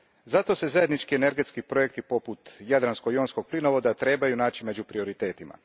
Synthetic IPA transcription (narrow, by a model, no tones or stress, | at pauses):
zat̪o̞se̞zaje̞d̪nit͡ʃkiene̞ɾɡe̞t̪skipɾo̞jek̚t̪ipo̞put̪jad̪ɾanskoio̞ːnsko̞ɡ̥̚plinoʋo̞d̪at̪ɾe̞ːbajunaːt͡ʃime̞d͡ʑupɾio̞ɾit̪e̞ːt̪ima̰